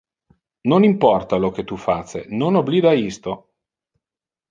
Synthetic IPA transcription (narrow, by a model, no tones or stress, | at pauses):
nonimpɔrt̪alok̟et̪ːufat͡ʃːḛnonobliːd̪aist̪o